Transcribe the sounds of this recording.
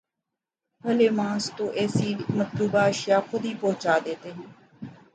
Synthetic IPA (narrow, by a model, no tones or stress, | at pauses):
pəleːmãːst̪õːʔɛːsiːmət̪luːbaːəʃɪjaːxʊd̪iːpɔːt͡ʃaːd̪eːt̪eːɦɛ̃ː